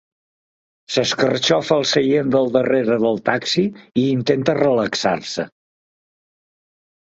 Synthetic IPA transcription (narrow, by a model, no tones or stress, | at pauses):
səskərt͡ʃɔfəəlˠsəjend̪əlˠd̪əreɾəðəlˠt̪aksiiːnt̪ent̪ərələksa̰ɾsə̰